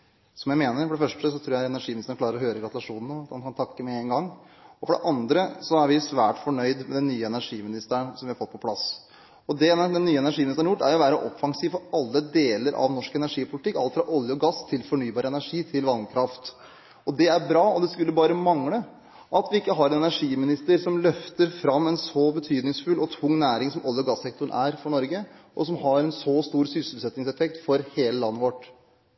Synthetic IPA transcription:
sɔmjæɪmeːnəɾfɔɖɛfœʂʈəsɔt̪ʰɾuːɾjæɪɛnæɾʂiːmɪnɪst̪ːɳklɑːɾəɾɔhøːɾəɡɾɑt̪ʉlɑʂuːnnəɑt̪ɑnkʰɑnt̪ʰɑkːəmɛeːŋɡɑŋː | ɔfɔɖɛ̰ʔɑnd̪ɾəsɔæɾʋɪsʋæːʈfɔɳœʏd̪mɛd̪ɛnnːyːəɛnæɾʂiːmɪnɪst̪əɳsɔmʋɪhɑɾfɔt̪ːpʰɔpʰlɑs | ɔd̪ɛd̪ɛnːyːəɛnæɾʂiːmɪnɪst̪əɳjʊʈːæ̰ɾjʊʋæːɾəʔɔfːɑŋsiːʋfɔɾɑlːəd̪eːləɾʔɑ̰ʋnɔʂkɛnæɾʂiːpʰʊlɪt̪ɪkːɑlt̪fɾɑʔɔljəɔɡɑsːt̪ʰɪlfɔɳyːbɑːɾəɛnæɾʂiːt̪ʰɪlʋɑnkʰɾɑft̪ | ɔd̪ɛæɾbɾɑːɔd̪ɛskʉlːəbɑːɾəmɑŋɽə | ʔɑt̪ʋɪɪkːəɦɑɾɛnɛnæʂiːmɪnɪst̪əɾsɔmlœft̪əɾfɾɑmːɛnsɔbət̪ʰyːd̪nɪŋsfʉlːʔɔt̪ʰʊŋːnæːɾɪŋsɔmʔɔlˠjəɔɡɑsːɛk̚t̪ʊɳʔæːɾfɔɳɔɾɡəʔɔsɔmɦɑɾɛnsɔst̪uːɾsʏsl̩sɛt̪nɪŋsɛfɛk̚t̪fɔɾheːləlɑnːəʋɔʈː

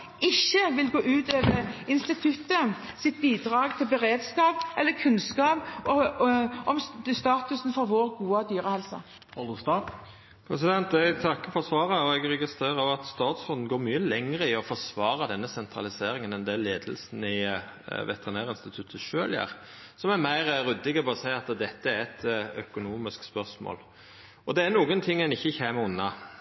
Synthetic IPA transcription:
ɪçːəʋɪlɡoːʔʉːt̪øːʋəɪnst̪ɪt̪ʰʉt̪ːə | sɪt̪̚biːd̪ɾɑːɡt̪ʰɪlbəɾeːd̪skɑːpʔɛlːəkʰʉnskɑːpɔʔɔmst̪ɑːt̪ʉsn̩fɔɾʋoːɾɡuːɑd̪yːɾəhɛlsɑ̰ | ɔst̪ɑ | pʰɾɛsɪd̪ɛnt̪ɛɡt̪ʰɑkːəfɔsʋɑːɾəɔɛɡɾɛɡɪst̪ʁeːɾɑʋɑt̪st̪ɑːt̪sfɔnd̪n̩ɡoːɾmyːəlɛŋʁəɪɔfɔsʋɑːɾɑd̪ɛnːəsɛnt̪ʰɾɑ̰lɪseːɾɪŋənɛnd̪ɛleːd̪əlsn̩ɪ | ʋɛ̰t̪ɛʁɪnæːɾɪnst̪ɪt̪ʰʉt̪ʰəʃøːljæ̰ːɾ | sɔmæɾmæɪɾɾʉd̪ːɪɡəpɛɔsæɪɑt̪d̪ɛt̪ːəæɾɛt̪œkʊnuːmɪskspœʁsmo̰ːl | ɔd̪ɛæɾnuːɡənt̪ʰɪŋːɛnɪçːəçeːməʊnːɑ

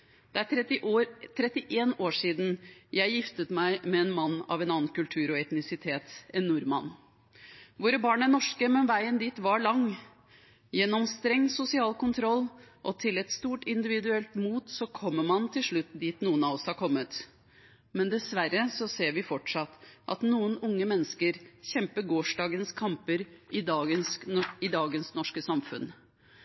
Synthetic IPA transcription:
d̪̥ɛæ | t̪ʰɾɛt̪ːɪʔeːnoːʂiːd̪n̩jæɪjɪft̪ət̪mæɪmɛɛnmɑnːɑ̰ʋɛnɑːnnkʉlʈ̪ʰʉːɾɔɛt̪nɪsɪt̪ʰeːt̪ɛnːuːɾmɑnː | ʋoːɾəbɑːɳənɔʂkəmɛnʋæɪənd̪iːt̪ʋɑɭɑŋ | jɛnːɔmst̪ɾɛŋsʊsɪɑːlkʊnt̪ʰɾɔlːʔɔt̪ʰɪlɛt̪st̪uːʈɪnd̪ɪʋɪd̪ʉɛlt̪muːt̪sɔkʰɔmːəmɑnt̪ʰɪlʂɭʉt̪ːd̪iːt̪nuːənɑʋɔshɑɾkʰɔmːət̪ | mɛnd̪ɛsʋæɾːəsɔseːɾʋɪfɔʈʂɑt̪ːʔɑ̰t̪nuːənʊŋːəmɛnːəskəɾçɛmpəɡoːʂɖɑːɡənskʰɑmpəɾʔɪənsɪd̪ɑːɡənsnɔʂkəsɑmfʉ̰n

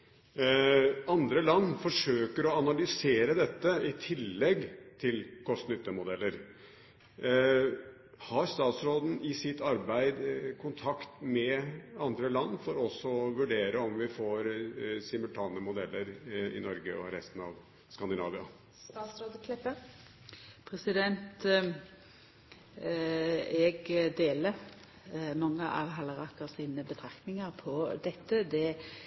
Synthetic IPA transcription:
ɑnd̪ɾəlɑnːfɔʂøːkəɾɔɑnɑlʏseːɾəd̪ɛt̪ːəɪt̪ʰɪlːɛɡːt̪ʰɪlkʰɔst̪nʏt̪ːəmʊd̪ɛlːəɾ | hɑɾst̪ɑːt̪sɾoːd̪n̩ɪsɪt̪ːɑɾbæɪd̪kʰʊnt̪ʰɑkt̪mɛɑnd̪ɾəlɑnːfɔɾɔsɔɔʋʉɖeːɾəɔmʋɪfoːɾsɪməlt̪ʰɑːnəmʊd̪ɛlːəɾɪ̰nɔɾɡəɔ̰ɾɛst̪ənɑ̰ʋ | skɑnd̪ɪnɑːʋɪɑ̰ | st̪ɑsɾɑd̪kʰlɛpːə | pʰɾɛsɪd̪ɛnt̪ | ɛɡd̪eːlə | mɑŋːəʔɑ̰ʋɦɑləʁɑkəʁsiːnəbət̪ʰɾɑknɪŋəɾpʰɔd̪ɛt̪ːəd̪ɛ

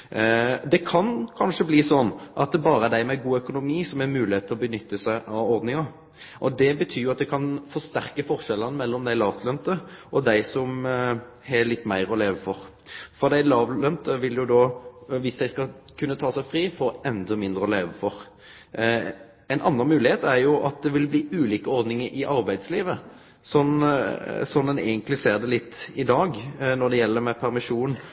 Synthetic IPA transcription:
d̪ɛkʰɑnkʰɑnʂəbliːsɔnːʔɑt̪̚d̪ɛbɑːɾəæd̪æɪmɛɡuːœkʊnʊmiːsɔmæmʉːlɪheːt̪ʰlɔbənʏt̪ːəsæɪʔɑʋɔʁd̪nɪŋɑ | ʔɔd̪ɛbət̪ʰyːɾjʊɑt̪̚d̪ɛkʰɑnfɔʁst̪æɾkəfɔʁʃɛlːənəmɛlːɔmd̪æɪlɑːʋt̪ʰlœnt̪əʔɔd̪æɪsɔm | hɛlɪt̪ːmæɪɾɔleːʋəfɔɾ | fɔʁd̪æɪlɑːʋ̪œnt̪əʋɪldjʊd̪oʋɪsd̪æɪskɑkʰʉnːət̪ʰɑːsæɪfʁiːfɔɾɛnd̪ɔmɪnd̪ʁəɔleːʋəfɔʁ | ɛɪnʔɑnːɑnmʉːlɪheːt̪æɾjʊʔɑt̪̚d̪ɛʋɪlbliːʉːliːkəɔɾd̪nɪŋəɾʔɪʔɑʁbæɪd̪sliːʋə | sɔn | sɔnd̪ɛnɛ̰ːɡənt̪lɪseːɾd̪ɛlɪt̪ːɪd̪ɑːɡnɔʁd̪ɛjɛlːəɾmɛpʰæʁmɪʂuːnn̩

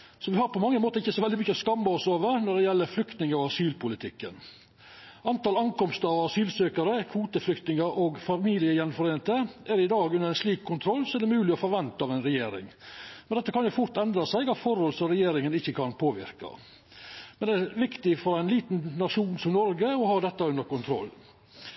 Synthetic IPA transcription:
sɔʋɪhɑɾpɔmɑŋːəmoːt̪əɾɪçːəsɔʋɛld̪ɪmʏçːəɔskɑmːəɔsoːʋəɾnɔɖ̪ɛjɛlːəɾflʏkt̪nɪŋɑʋɑsyːlpʰʊlɪt̪ʰɪkːə̰n | ɑnt̪ɑlɑŋkɔmst̪əɑʋɑsyːlsøːkɑɾəkʰʋuːt̪əflʏkt̪nɪŋəʔoɡfɑmiːlɪəjɛnfɔɾeːnt̪əæɾɪd̪ɑːɡʉnəɾɛnsliːkʰːʊnt̪ʰɾɔlːsɔæd̪ɛmʉːlɪɔfɔɾʋɛnt̪ɑɑʋɛɪnɾɛjeːɾɪ̰ŋmɛnd̪ɛt̪ːəkʰɑnjʊfʊɾt̪ɛnd̪ɾɑsæɪɡɑtfɔɾhɔlsɔɾɛjeːɾɪŋənɪçːəkʰɑnpʰoːʋɪ̰ɾkɑ̰ | mɛnd̪ɛæɾʋɪkt̪ɪfɔɾæɪnliːt̪nnɑʂuːnsɔmnɔɾɡəɔhɑd̪ɛt̪ːɑʉnd̪əɾkʊnt̪ʰɾɔ̰lː

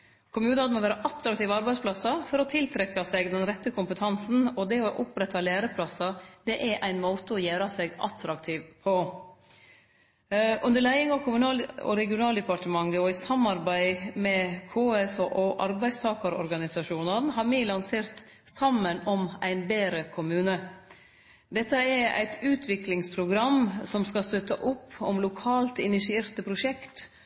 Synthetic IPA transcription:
kʰʊmjʉːnɑd̪n̩moːʋæːɾəʔɑt̪ɾɑkt̪iːʋɑɾbæɪspʰlɑsɑfɔɾɔt̪ʰɪlt̪ʰɾɛkːɑsɛɡd̪ɛnɾɛt̪ːəkʰʊmpət̪ʰɑnsn̩ɔd̪ɛɔʔʊpɾɛt̪ːɑlæːɾəpʰlɑsɑd̪̥ɛʔæʔæɪnmoːt̪əɔjæːɾɑsɛɡʔɑ̰t̪ʰɾɑkt̪ʰiːʋpʰɔ | ʔʉnd̪əɭæɪɪŋɔkʰʊmʉnɑːlɔ̰ɾɛɡɪʊnɑːld̪ɛpɑʈəmɑŋːəɔɪsɑmːɑɾbæɪmɛkʰoːɛsoʔɔʔɑɾbæɪst̪ʰɑːkəɾɔ̰ɾɡɑnɪsɑʂuːnənɦɑːɾmiːlɑnseːɾt̪ | sɑmːənɔmʔæɪnbeːɾəkʰʊmʉːnə | d̪ɛt̪ːəɛɾæ̰ɪt̪ʰʉːt̪ʰʋɪklɪŋspʰɾʊɡɾɑmsɔmskɑst̪œt̪ːəʔʊpʰːɔmlʊkʰɑːlt̪ɪnɪsɪeːɾt̪əpʰɾʊʂɛkt̪

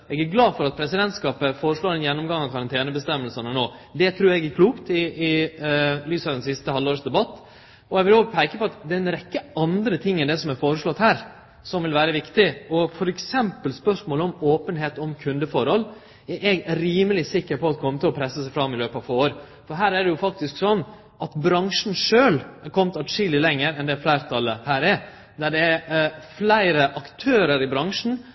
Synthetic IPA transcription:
ɛɡæɾɡlɑːd̪fɔɾɑt̪̚pʰɾɛsɪd̪ɛnt̪skɑːpəfoːɾəʂɭoːɾɛnjɛnːɔmɡɑŋːɑʋkʰɑɾɑnt̪ʰeːnəbəst̪ɛmːəlsənənoːd̪ɛt̪ʰɾʉːɾɛɡæɾkʰluːkt̪ɪɪ | lyːsɑd̪ɛnsɪst̪əhɑlːoːɾʂd̪ɛbɑt̪ː | ɔɛɡʋɪloːɡpʰæɪkəpɔɑt̪d̪ɛɛnɾɛkːəɑnd̪ɾət̪ʰɪŋːənd̪ɛsɔmæɾfoːɾəʂɭɔt̪ːhæːɾ | sɔmʋɪlʋæːɾəʋɪkt̪ɪɔfɔɾɛksɛmpəlspœʂmoːləɔmoːpənɦeːt̪ɔmkʰʉnd̪əfɔɾhɔlː | æʔɛɡɾiːməlɪsɪkːəɾpʰɔɑt̪kʰɔmːət̪ʰɪlɔpʰɾɛsːəsæɪfɾɑmːɪløːpəɑʋfoːoːɾ | fɔɾɦæːɾæɖɛjʊfɑk̚t̪ɪsksɔnː | ʔɑt̪bɾɑŋʂn̩ʂøːlæɾkʰɔmt̪ɑʂiːlɪlɛŋːəɾɛnd̪ɛflæɪɾt̪ʰɑlːəhæːɾɛ | d̪æɖɛæflæɪɾəʔɑkt̪ʰøːɾəɾɪbɾɑŋʂn̩

